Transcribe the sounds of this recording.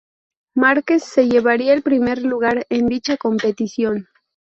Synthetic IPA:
maɾke̞sːe̞ʝe̞βaɾiaelpɾime̞ɾluɣ̞aɾe̞nd̪it͡ʃako̞mpe̞t̪isjo̞n

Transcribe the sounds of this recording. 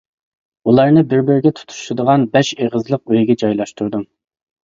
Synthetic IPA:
ulˠɑɾnɨbɪɾbɪɾɪɡʲɛt̪ʰu̥t̪ʰu̥ʃud̪əʁɑnbɛʃeʁəzlˠəq̚øjɡʲɛd͡ʒɑjlˠɑʃt̪uɾd̪um

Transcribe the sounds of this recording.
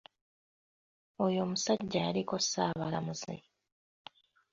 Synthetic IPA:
ojo̞ːmusaɟːajaliko̞saːβalamuzḛ

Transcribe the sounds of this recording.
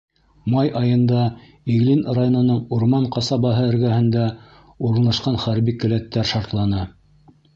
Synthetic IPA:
mɑjʔɑjɤ̆nd̪ɑ | iɣlinrajonŏnɤɴuɾmɑɴqɑsɑbɑɦɤɘ̆ɾɡæhɘ̆nd̪æ | uɾɤ̆nlˠɑʃqɑnχæɾbikɘ̆læt̪ːæɾʃɑɾt̪lˠɑnɤ

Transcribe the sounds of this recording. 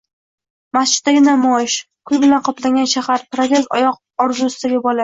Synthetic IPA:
mast͡ʃɪ̥t̪̚d̪aɡʲɪnamɒjɪʃ | kʰʊjbɪlanqʰɒplaŋɡʲanʃahaɾpɾat̪ʲezt̪ɒjɒq̚ | ɒɾzʊʊst̪ʰaɡʲabɒla

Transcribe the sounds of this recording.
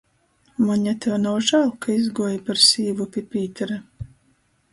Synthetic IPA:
maɲʲat̪ɛwnuːʒalˠkʰaizɡuɔjpaɾsiːvupʲipʲiːt̪ɛɾa

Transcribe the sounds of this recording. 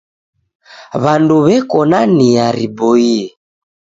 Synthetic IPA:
βanduβɛkɔnaniaɾibɔiɛ

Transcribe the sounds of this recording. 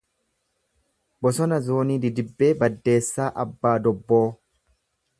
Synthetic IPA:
bɔsɔnɐzoːniːd̪ɪd̪ɪbːe̞ːbɐd̪ːe̞ːsːaːʔɐbːaːd̪ɔbːoː

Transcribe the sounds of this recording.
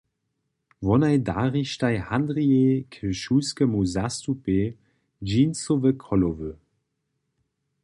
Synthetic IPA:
vɔnajdaːʁiʃtajhandʁiekʰəʃuːskəmuzastupe | d͡ʒiːnsovəkʰɔlovø

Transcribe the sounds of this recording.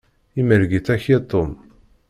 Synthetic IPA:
iməɾɡiθæçit̪ˤːom

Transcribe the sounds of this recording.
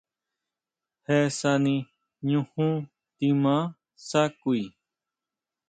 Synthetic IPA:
hɛsanĩ | ɲũhũ | t̪imã | sakui

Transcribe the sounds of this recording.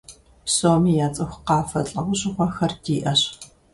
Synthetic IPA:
psoːmiːjaːt͡sʼɐxʷqɑːfɐɬʼɐʁʷʊɕʼɪxʷɔxɐrdiːʔɐɕ

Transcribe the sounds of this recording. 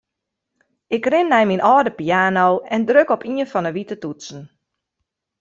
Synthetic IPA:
ɪkrɪnːɛjminʔɔːdəpijaːnoːɛndrøkɔpʰiənfɔnəʋitətutsn̩

